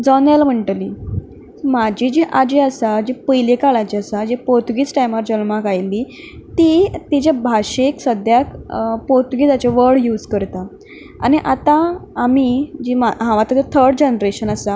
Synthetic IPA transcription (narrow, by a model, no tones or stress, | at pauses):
d͡zɔnajlam̤əɳʈli | mad͡ʑid͡ʑiʔad͡ʑiasad͡ʑipəjlekaɭad͡ʑiasad͡ʑepoɾt̪uɡiːt͡sʈajmaɾd͡ʑəlmakajli | t̪it̪id͡ʑabʱaɕeksəd̪jakpoɾt̪uɡiːd͡zat͡ɕeʋəɾɽjud͡zkəɾt̪a | a̰ñiʔat̪aːmid͡ʑimaɦãʋat̪ad͡zet̪ʰəɾɖd͡ʑenɾeɕənasa